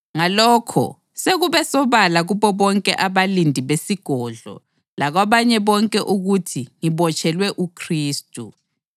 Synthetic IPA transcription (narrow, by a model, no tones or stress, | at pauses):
ŋalɔːkʰɔ̰ | seɣuβɛsɔβalaɣuβɔβɔŋkʼɛʔaβalindʱiβesiɡ̥ʱɔːɮɔ̰ | laɣwaβaɲɛβɔŋkʼɛʔuɣutʰiŋiβɔt͡ʃʼʰɛlwɛʔukʰriːstʼu